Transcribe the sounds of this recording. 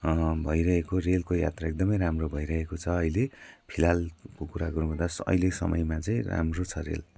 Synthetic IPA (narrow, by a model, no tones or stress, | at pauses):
bʱʌjɾʌɦekorelkoja̰t̪raek̚d̪ʌmʌjɾamrobʱʌjɾʌɦekot͡sʰʌːjlepʰilalkokuɾaɡʌɾũbʱʌ̃nd̪asʌ̰jlesʌ̰mʌ̰jmat͡sʌĩra̰mrot͡sʰʌrḛl